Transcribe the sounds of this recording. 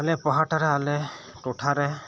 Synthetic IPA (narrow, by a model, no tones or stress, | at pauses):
alɛpɔɦaʈaɾɛalɛ | tʊʈʰaɾɛ